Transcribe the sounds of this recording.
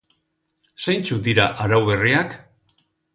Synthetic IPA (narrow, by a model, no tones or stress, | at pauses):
sajnt͡sud̪iɾaʔaɾawβe̞riak